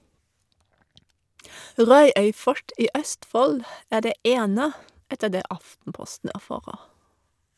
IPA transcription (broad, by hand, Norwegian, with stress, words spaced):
ˈʁɑʉœʏ ˈfɔʈ ˈiː ˈœstˌfɔl ˈæː ˈɖeː ˈʔeːnə ˈɛtə ˈdeː ˈʔɑftn̩ˌpɔstn̩ æˈfɑːʁəʁ